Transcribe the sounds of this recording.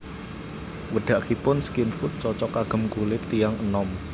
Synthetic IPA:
wəɖ̪̥a̤ʔkipʊnskinfut̪̚t͡ʃɔt͡ʃɔkaɡ̥ə̤mkulɪp̚t̪ijaŋənɔm

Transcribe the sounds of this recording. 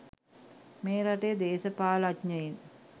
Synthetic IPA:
meːɾaʈejəd̪eːsəpaːlatɲəin

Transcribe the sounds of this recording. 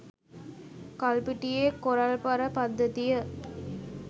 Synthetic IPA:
kɐlpiʈijeːkoɾɐlpɐɾəpɐd̪ːɐt̪ijə

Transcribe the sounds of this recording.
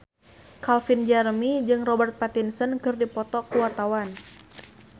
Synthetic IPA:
kalfind͡ʒɛrmid͡ʒɨŋrɔbərt̪̚pat̪insənkɨrdipɔt̪ɔkəwart̪awan

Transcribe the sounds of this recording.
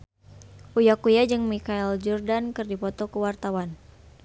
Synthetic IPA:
ʔujakujad͡ʒɨŋmikaɛld͡ʒɔrdankɨrdipɔt̪ɔkəwart̪awan

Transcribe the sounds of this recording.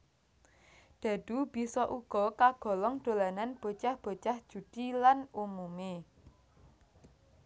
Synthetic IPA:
d̪̥ä̤d̪̥ṳb̥i̤sɔʔuɡ̥ɔ̤kaɡ̥ɔ̤lɔŋɖ̪̥o̤lananb̥o̤t͡ʃahb̥o̤t͡ʃahd̥ʒ̥ṳd̪̥ilanumume

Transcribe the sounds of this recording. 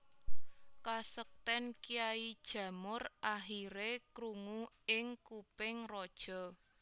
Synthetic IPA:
kasək̚t̪ɛnkijaid̥ʒ̥ä̤mʊrʔaɦiɾekɾuŋu | ɪŋkupɪŋrɔd̥ʒ̥ɔ̤

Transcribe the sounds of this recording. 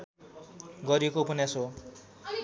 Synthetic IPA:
ɡʌɾjekopʌnaso

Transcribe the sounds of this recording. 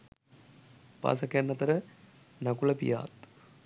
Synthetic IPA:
pa̰ːs̬ɐkjanːɐt̪ɐɾə | nɐkulɐpḭja̰ːt̪

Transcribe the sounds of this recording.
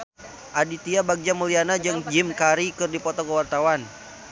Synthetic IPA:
ʔadit̪iabaɡ̚d͡ʒaməlianad͡ʒɨŋd͡ʒimkaɾikɨrdipɔt̪ɔkəwart̪awan

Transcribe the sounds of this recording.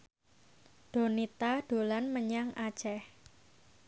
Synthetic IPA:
ɖ̥o̤nit̪aɖ̥o̤lanməɲaŋʔḁt͡ʃɛh

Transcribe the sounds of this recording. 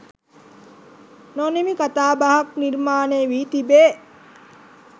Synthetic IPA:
nonemikat̪aːbaɦakniɾmaːneːʋiːt̪ibeː

